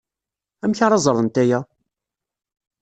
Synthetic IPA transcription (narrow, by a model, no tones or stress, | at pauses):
æmçaɾˤɑzˤɾˤənt̪æjæ